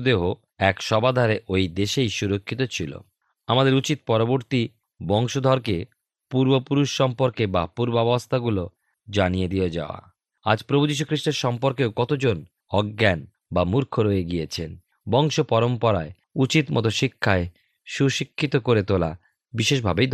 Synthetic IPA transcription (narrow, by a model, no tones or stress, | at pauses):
d̪eɦo | ɛkʃɔbad̪ʱaɾeʔojd̪eʃejʃuɾokʰːit̪ot͡ɕʰilo̰ | amad̪eɾut͡ɕit̪̚pɔɾoboɾt̪i | bɔŋʃod̪ʱɔɾke | puɾbopuɾuʃːɔmpoɾkeba̰puɾbɔbost̪ʰaɡulo | d͡ʑanijed̪ied͡ʑa̰oa̰ | ad͡ʑpɾobʱud͡ʑiʃ̬ukʰɾiʃʈeɾʃɔmpoɾkeokɔt̪od͡ʑon | ɔɡːɛn | bamuɾkʰoɾojeɡiet͡ɕʰen | bɔŋʃopɔɾompɔɾae | ut͡ɕit̪mɔ̰t̪oʃikʰːae | ʃuʃikʰːit̪okoɾet̪ola̰ | biʃeʃ̬bʱabejd̪